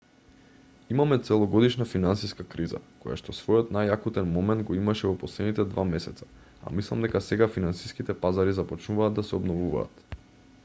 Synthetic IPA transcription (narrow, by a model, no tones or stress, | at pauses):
imamɛt̪sɛlˠɔɡɔd̪iʃnafinansiskakɾiza̰koja̰ʃt̪ɔsvɔjɔt̪najakut̪ɛnmɔmɛnt̪̚ɡɔimaʃɛvɔpɔslɛd̪nit̪ɛd̪vamɛsɛt̪sa | a̰mislˠamd̪ɛkasɛɡafinansi̥skit̪ɛpazaɾizapɔt͡ʃnuvaːd̪̚ːasɛɔbnɔvuva̰ːt̪